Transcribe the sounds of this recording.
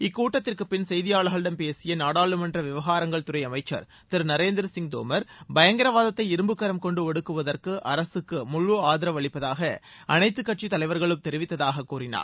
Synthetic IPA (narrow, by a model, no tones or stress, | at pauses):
ɪkːuːʈːɐt̪ːɪrkɯpːɪnsɛjðɪjaːɭɐɣɐɭɽɐmpeːsɪjɐnaːɽaːɭɯmɐndrɐʋɪʋɐɣaːɾɐŋɡɐɭt̪ʊɾɐɪɐmɐɪt͡ʃːɐ̰ɾ | t̪ɪɾnɐɾeːnd̪ɪɾɐsɪŋɡd̪o̰ːmɐɾbɐjɐŋɡɪɾɐʋaːðɐt̪ːɐɪɪɾɯmbɯkːɐɾɐmkɔɳɖɯɔɽɯkːɯʋɐðɐrkɯʔɐɾɐsɯkːɯmʊɭːoaːðɪɾɐʋɐɭɪpːɐðaːɣɐ | ʔɐnɐɪt̪ːɯkːɐʈ̚t͡ʃit̪ɐlɐɪʋɐɾɣɐɭɯmt̪ɛɾɪʋɪt̪ːɐðaːɣɐkːuːɾɪna̰ːɾ